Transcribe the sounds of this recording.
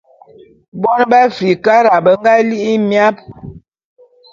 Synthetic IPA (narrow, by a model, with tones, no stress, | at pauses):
bɔ˦n˦ba˦fi˨ka˦ɾa˨bə˦ŋ˦ɡa˦li˦ʔi˦mja˦p̚